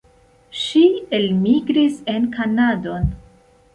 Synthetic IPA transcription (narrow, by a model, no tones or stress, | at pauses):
ʃielmiɡɾise̞nkanado̞n